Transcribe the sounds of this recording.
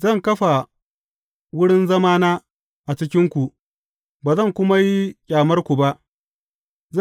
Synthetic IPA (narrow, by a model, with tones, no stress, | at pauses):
zɐ˦˨ŋkɐ˦ɸa˨ | wʊ˦ɽɪ˦nzɐ˦maː˦naː˦ | ʔa˨t͡ʃɪ˦kʲɪ˦ŋkʷu˨ | baː˨zɐ˦˨ŋkʷʊ˦ma˦ji˦kʲʼaː˨mɐ˦rkʷu˨ba˦ʔ | z